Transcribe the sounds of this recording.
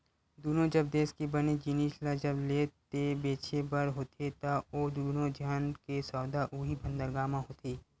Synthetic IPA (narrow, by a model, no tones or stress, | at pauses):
d̪uːnõd͡ʒɐb̚d̪eːskibɐnid͡ʒiniːʃlad͡ʒɐbleːt̪ebeːt͡ʃʰebɐɾɦoːt̪ʰet̪aoːd̪uːnõd͡ʒʱaːnkesɔːd̪aʔuːɦibʱə̃nd̪əɾɡaːmãɦoːt̪iː